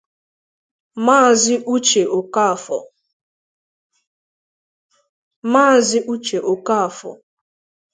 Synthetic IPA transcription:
maː˦˨zɪ˦ʔu˦t͡ʃe˨ʔo˨ka˦a˨fɔ̰˨ | maː˦˨zɪ˦ʔu˦t͡ʃe˨ʔo˨ka˦a˨fɔ̰˨

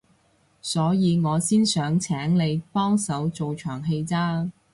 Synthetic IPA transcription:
sɔː˨˥jiː˨˧ŋɔː˨˧siː˥nsœː˨˥ŋt͡sʰɛː˨˥ŋle˨˧jpɔː˥ŋsɐ˨˥wt͡so˨wt͡ʃʰœː˨˩ŋɦe˧jt͡saː˥

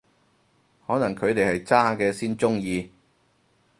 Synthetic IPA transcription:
hɔː˨˥nɐ˨˩ŋkʰɵ˨˧ɥt̪e˨jhɐ˨jt͡saː˥kɛː˧siː˥nt͡ʃʊ˥ŋjiː˧

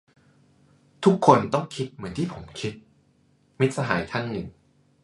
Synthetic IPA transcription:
t̪ʰu˦˥kʰːo˧nt̪ɔ˥˩ŋkʰi˦˥t̪̚mɯ˩˦ənt̪ʰiː˥˩pʰo˩˦mkʰi˦˥t̪̚ | mi˦˥t̪̚sa˧ɦaː˩˦jk̪ʰaː˥˩ŋnɯ˨˩ŋ

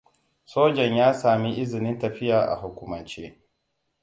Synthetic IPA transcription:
soː˦d͡ʒɐ˨ɲjaː˦saː˨mi˦ʔɪ˦zɪ˨nɪ˦ntɐ˨ɸɪ˦jaː˨ʔa̰˨ɦʊ˨kʷʊ˨mɐ˨nt͡ʃeː˦

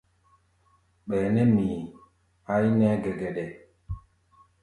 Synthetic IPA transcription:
ɓɛː˨nɛ˦mi˨ | a˦i˦nɛ˦ɡɛ˨ɡɛ˨ɗɛ˨

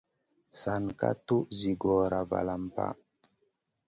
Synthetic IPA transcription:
sa˨nka˦tu˦zi˨ɡɔ˨ɾa˨va̰˨la˨mpa̰˦

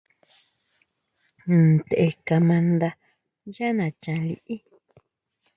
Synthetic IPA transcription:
t̪e˨ʔe˧ka˧mã˧nd̪a˧ | ja˦nã˨t͡ʃã˧lḭ˧ʔi˦

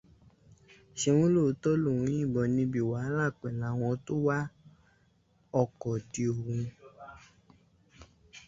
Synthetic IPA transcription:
ʃe˧wũ˦lo˦˨˧tɔ˦lo˦˨ũ˨˦ĩ˦˨ɡ͡bɔ˧nĩ˧bi˨wa˨˦lã˦˨k͡pɛ˨la˨˦w̃ɔ̃˧to˦wa˦ | ɔ˧˨kɔ˨ti˧o˨hũ˧

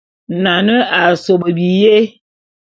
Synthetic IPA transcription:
na˨nə˦a˨so˨bə˨bi˨je˦

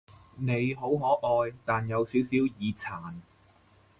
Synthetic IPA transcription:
ne˨˧jɦo˨˥wɦɔː˨˥ʔɔː˧jt̪aː˨njɐ˨˧wsiː˨˥wsiː˨˥wjiː˨˧t͡sʰaː˨˩n

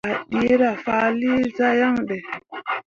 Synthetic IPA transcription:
a˨ɗi˦ɾa˨faː˦˨˦li˦za˦ja˦ŋɗɛ˨

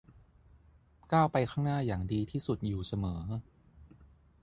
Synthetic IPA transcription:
kaː˥˩wpa˧jxʰaː˥˩ŋnaː˥˩jaː˨˩ŋdiː˧t̪ʰiː˥˩su˨˩t̪̚juː˨˩sa˧mɤː˩˦

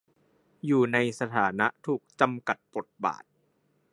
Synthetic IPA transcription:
juː˨˩na˧jsa˧t̪ʰaː˩˦na˦˥t̪ʰuː˨˩k̚t͡ɕa˧mka˨˩t̪̚bo˨˩t̪̚ba̰ː˨˩t̪̚

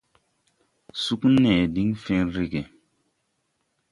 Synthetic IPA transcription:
su˦knɛː˨di˦ŋfɛ˦nɾi˦ɡe˨

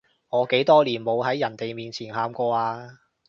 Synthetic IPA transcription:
ŋɔː˨˧ke˨˥jt̪ɔː˥liː˨˩nmo˨˧wɦɐ˨˥jːɐ˨˩nt̪e˨jmiː˨nt͡sʰiː˨˩nhaː˧mkɔː˧aː˧

